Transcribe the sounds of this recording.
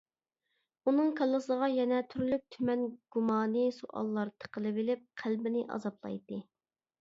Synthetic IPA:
unɨŋkʰɑlˠːəsəʁɑjɛnɛt̪ʰyɾylyp̚t̪ʰymɛnɡ̥umɑːnɨsuʔɑ̰lˠːɑɾt̪ʰə̥qəlˠɨvɪlɪp̚qʰælbɪnɪʔɑ̰zɑplˠɑ̰jd̪ɨ

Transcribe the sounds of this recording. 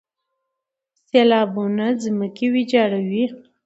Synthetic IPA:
selɑbunazməkiwid͡ʒɑɽawi

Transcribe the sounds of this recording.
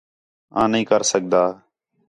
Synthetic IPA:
ãːnəĩːkəɾsək̚d̪aː

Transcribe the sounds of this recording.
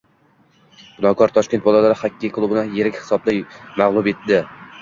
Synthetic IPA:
b̥ʊnɒkʰɒɾt̪ʰɒʃkʲe̞nt̪bɒlˠalaɾɪhakʲʰːakʰlˠʊbɪnɪje̞ɾɪkʲhɪ̥sɒblɪjmaʁlˠʊbe̞t̪̚d̪ɪ

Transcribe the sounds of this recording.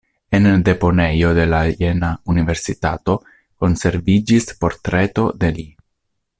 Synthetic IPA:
end̪e̞po̞nejo̞d̪e̞lajenaunive̞ɾsit̪at̪o̞ | ko̞nse̞ɾvid͡ʒispo̞ɾt̪ɾet̪od̪e̞li

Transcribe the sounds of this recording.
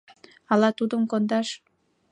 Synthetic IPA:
ɑlɑt̪ud̪əmkond̪ɑʃ

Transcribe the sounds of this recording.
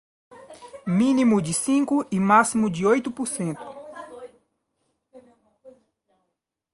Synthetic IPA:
mĩnimʊd͡ʒɪsĩŋkʊimasimʊd͡ʒɪojt̪ʊpuɾsẽnt̪ʊ̥

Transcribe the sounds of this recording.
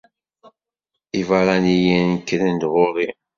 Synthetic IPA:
ivaɾˤanijænkːɾənd̪ʁʊɾˤi

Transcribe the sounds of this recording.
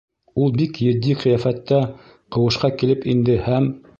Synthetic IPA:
ulˠbikjɘ̆d̪ːiqɘ̆jæfæt̪ːæ | qɤ̆wɤ̆ʃqɑkilɘpind̪ɘhæm

